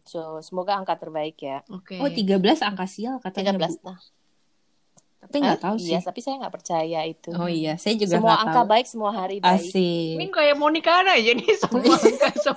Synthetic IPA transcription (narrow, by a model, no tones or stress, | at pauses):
sosəmoɡaːŋkat̪ərbaɪkjaokeot̪iɡabəlasaŋkasialkat̪aɡablast̪ah | t̪apiŋɡaʔt̪auisjat̪apisajaŋɡaʔpərt͡ʃajait̪uoijasajad͡ʒuɡaəmuaaŋakabaɪk̚səmuaɦaɾibaɪskɪmiŋkajamonikanad͡ʒanisəmaŋkasə